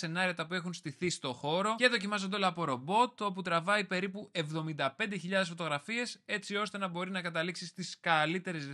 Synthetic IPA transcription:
e̞nɐɾiɐt̪ɐpue̞xunst̪iθist̪o̞xo̞ɾo̞ceðo̞cimɐzond̪olɐːpo̞ɾo̞bo̞t̪o̞put̪ɾɐvɐipe̞ɾipue̞vðo̞mind̪ɐpe̞nd̪eçiʎɐðe̞sfo̞t̪o̞ɣɾɐfie̞se̞t͡sio̞st̪e̞nɐbo̞ɾinɐkɐt̪ɐliksist̪iskɐlit̪e̞ɾe̞z

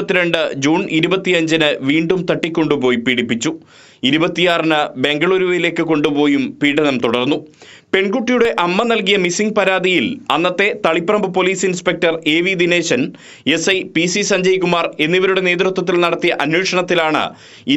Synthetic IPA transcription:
ɐt̪ːiɾe̞ɳɖɨd͡ʑuːniɾubɐt̪ːijɐɲd͡ʑɐnɨʋiːɳɖumt̪ɐʈːikʲːo̞ɳɖupo̞ːjipiɽipːit͡ɕːu | iɾubɐt̪ːijaːrɐnɨbe̞ŋɡɐɭuːɾuʋɐjile̞ːkːɨko̞ɳɖupo̞ːjumpiːɽɐnɐmt̪uɽɐrnːu | pe̞ɳɡuʈːijuɽe̞ʔɐmːɐnɐlkijɐmisiŋɡpɐɾaːd̪ijilɐnːɐt̪ːe̞t̪ɐɭipːrɐmbɨpo̞liːsinspe̞k̚tɐre̞ːʋid̪ine̞ːɕɐn | e̞sɐjpisisɐɲd͡ʑɐjkumaːre̞nːiʋɐɾuɽe̞neːd̪rɨt̪ːwɐt̪̬ːilnɐɽɐt̪ːijɐʔɐnweːʂɐɳɐt̪ːilaːɳɨ̰ | i

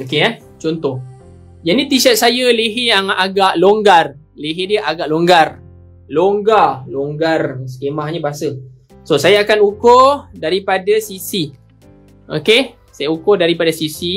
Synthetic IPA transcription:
okeɛ | t͡ʃɔnt̪ɔh | d͡ʒadit̪iʃət̪̚sajəleɦɪjaŋaɡaʔloŋɡar | leɦediəʔaɡaʔloŋɡar | loŋɡaloŋɡarsə̥kemaɦɲəbaɦasə | sosajaːkanukodaɾipadasisi | ʔo̰ke | sajaukʊdaɾipadasisi

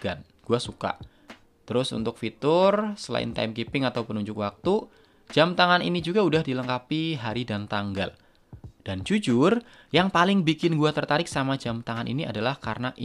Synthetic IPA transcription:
ɡan | ɡ̥uasuka̰ | t̪əɾʊsṵnt̪ʊk̚fit̪ʊrsəla̰ɪ̰nt̪a̰mkipɪŋat̪awpənuɲd͡ʒʊkwak̚t̪u̥ | d͡ʒamt̪aŋanḭnid͡ʒuɡaudahdiləŋkapiɦaɾidant̪aŋɡa̰l | d̥and͡ʒud͡ʒʊr | jaŋpalɪŋbikɪnɡuat̪ərt̪aɾɪk̚samad͡ʒamt̪aŋanʔḭnia̰dalahkarnaʔ

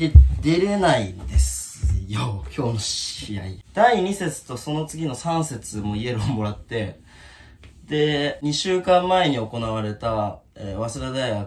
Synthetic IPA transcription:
ed̪e̞ɾe̞naind̪e̞sɨjokʲʰo̞ːnoɕijaid̪̥aiɲ̟ise̞t͡sɨ̥t̪o̞so̞no̞t͡sɨɡʲino̞sãɰ̃se̞t͡sɨmo̞ie̞ɾɯomo̞ɾat̪ːe̞ | d̪̥e̞ɲ̟iɕɨːkãmːae̞ɲ̟io̞ko̞naβ̞aɾe̞t̪aeβaseɾad̪aiɡa

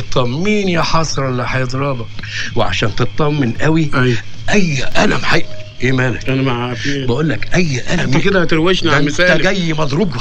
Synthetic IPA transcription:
t̪ˤːɑmːiːnjæħɑsˤɾˤlːæħajd̪ˤɾˤɑːbɑweʕa̰ʃæːnt̪et̪ˤːɑmːɪnʔæwiæj | ʔæjːʔælæ̰mħaʔ | ʔeːmæːlæænmaʕafibæʔuːlːækʔæjːʔælæmked̪æt̪eɾwæʃnmɪsææɡæjːimɑd̪ˤɾuɡ

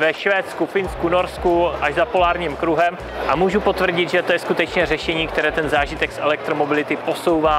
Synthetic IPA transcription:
vɛʃvɛːt̪t͡skufɪnskuno̞ɾskuʔaʒzapo̞laːɾɲiːmkɾuɦɛm | ʔamuːʒupo̞t̪vr̩ɟɪd̪ʒɛt̪ojɛskut̪ɛt͡ʃɲɛrɛʃɛɲiːk̚t̪ɛɾɛːt̪ɛnzaːʒɪt̪ɛksʔɛlɛk̚t̪ɾomo̞bɪlɪt̪ɪpo̞so̞wvaː

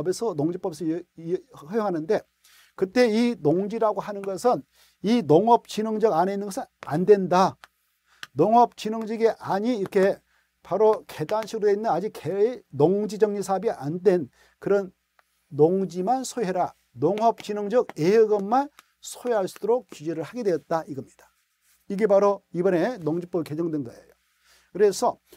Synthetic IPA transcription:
besʰʌnoŋd͡ʑip͈ʌbes̬ʰʌ | ʌjoŋɦanɯnde̞ | kɯt͈e̞inoŋd͡ʑiɾaɡoɦanɯnɡʌsʰɯn | inoŋʌp̚t͡ɕinɯŋd͡ʑʌɡaneinːɯnɡʌsʰɯna̰ndwe̞nda | noŋʌp̚t͡ɕinɯŋd͡ʑiɡiʔaɲiːɾʌkʰe̞ | paɾoke̞danɕʰiɡɾoeinːɯnad͡ʑikkenoŋd͡ʑid͡ʑʌŋɲisʰaɦʌbiʔandwe̞n | kɯɾʌnː | oŋd͡ʑimansʰoeɾa | noŋɦʌp̚t͡ɕinʌŋd͡ʑʌɡeɦeɡʌmːan | sʰoeɦaɭs͈ud̥oɾok̚kud͡ʑeɾɯɭhaɡe̞dwe̞jʌt̚t͈aiɡʌmɲid̥ḁ | iɡe̞baɾoibʌne̞noŋd͡ʑip͈ʌke̞d͡ʑʌŋdwenɡʌḛjo | kɯɾe̞sʰʌ

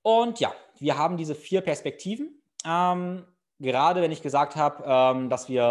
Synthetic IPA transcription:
ʔʊntja̰ːv̥iːɐɦaːbm̩diːzəfiːɐpɛɐspɛk̚tʰiːvn̩ | ʔɛm | ɡəʁaːdəvɛnɪçɡ̥əzaːk̚thaːbəʔɛːmdasv̥iːɐ

